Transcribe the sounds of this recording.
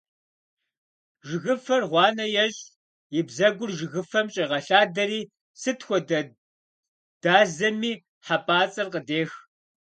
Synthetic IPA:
ʒɪɣɨfɐrʁʷɑːnɐjɛɕʼ | jɪbzɐɡʷʊrʒɪɣɨfɐmt͡ʃʼɐʁɐɬaːdɐɾiː | sɨtxʷɔdɐ | d̥aːzɐmiː | ħapʼaːt͡sʼɐrqədeːx

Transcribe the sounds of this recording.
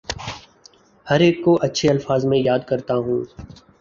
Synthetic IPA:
həɾeːkːoʔɐtːʃʰeɐlfaːzmẽjaːd̪kɐɾt̪aɦũː

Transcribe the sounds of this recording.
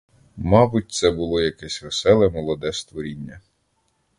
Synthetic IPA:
mɑbʊt̚ʲt̪sɛbʊlˠɔjɐkɛsʲʋesɛlˠɛmɔlˠɔd̪ɛst̪ʋɔɾʲinʲːɐ

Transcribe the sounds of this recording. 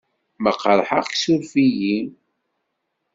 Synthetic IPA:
məqːəɾˤħəʁksuɾfiji

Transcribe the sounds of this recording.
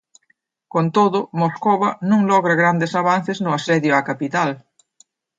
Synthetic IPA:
kont̪oðʊmoskoβanũŋlɔɣɾaɣɾand̪esaβ̞an̟θeznʊasɛðjʊakapit̪al

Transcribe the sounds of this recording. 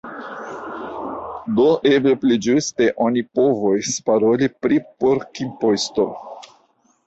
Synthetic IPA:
doʔe̞bleplid͡ʒuste̞ʔo̞nipo̞vospaɾo̞lipɾipo̞ɾkimposto

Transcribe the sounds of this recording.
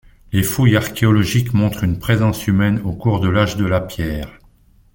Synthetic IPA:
lefujaʁkʲeɔlɔʒikmɔ̃t̪χynpχezɑ̃symɛnokuʁd̪əlaʒd̪əlapjɛːʁ

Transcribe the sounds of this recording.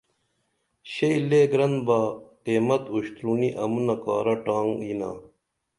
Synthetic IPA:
ɕeileːɡɾɐnbaːqeːmɐt̪uɕt̪ɾuniʔɐmunɐkaːɾɐʈaːŋɡina̰ː

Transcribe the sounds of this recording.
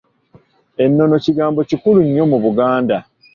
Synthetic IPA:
e̞nːo̞no̞ciɡaːmbo̞cikuluɲːo̞muβuɡaːnda

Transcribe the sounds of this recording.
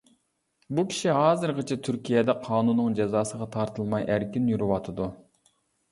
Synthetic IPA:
bukʲʰi̥ʃiɦɑːzɨɾʁət͡ʃʰɛt̪ʰyɾkʲijɛd̪ɛqʰɑːnunːɨŋd͡ʒɛzɑːsəʁɑt̪ʰɑɾt̪ʰɨlˠmɑjʔæɾkʲinjyɾɪwɑt̪ʰɨd̪u

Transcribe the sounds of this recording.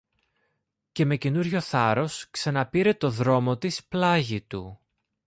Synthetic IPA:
ce̞me̞cenuɾʝo̞θɐɾo̞sksɐnɐpiɾe̞t̪o̞ðɾo̞mo̞t̪isplɐʝit̪u

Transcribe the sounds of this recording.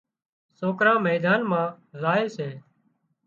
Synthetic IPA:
soːkɾãːmɛːd̪aːnmãː | zaːeːseː

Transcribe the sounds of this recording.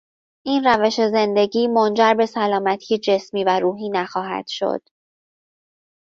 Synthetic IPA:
ʔiːnræve̞ʃe̞ze̞nd̪e̞ɟiːmo̞nd͡ʒæɾbe̞sælɒːmæt̪ʰijed͡ʒe̞smiːvæɾuːɦiːnæxɒːɦæ̰d̪̥ʃo̞̰d̪̥

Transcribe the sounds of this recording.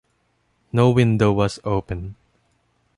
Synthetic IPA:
noʊwɪ̃ndoʊwʌzoʊpə̃n

